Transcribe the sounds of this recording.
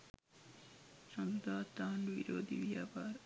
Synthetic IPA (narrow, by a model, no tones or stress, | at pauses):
sɐmd̪aːt̪anʋḭɾoːd̪ʱḭʋjapaːɾ